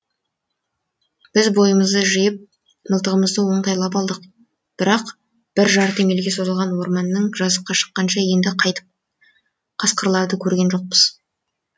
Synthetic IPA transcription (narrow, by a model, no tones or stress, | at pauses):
b̥ɪzbo̞jəməzd̪əʒəjɪp̚ | nʊlˠt̪əʁəməzd̪əwo̞ɴd̪ɑjlˠɑpɑlˠd̪əq̚ | b̥ɪɾɑq | b̥ɪɾʒɑɾt̪ʰe̞ŋe̞lɡʲe̞so̞zəlˠʁɑnwo̞ɾmɑnːəɴʒɑzəp̚qːɑʃə̥qːɑnʃɑje̞nd̪ɪqʰɑjt̪ə̥p̚ | qʰɑsqəɾlˠɑɾd̪əkʲʰɵɾɡʲe̞nʒo̞q̚pəz̥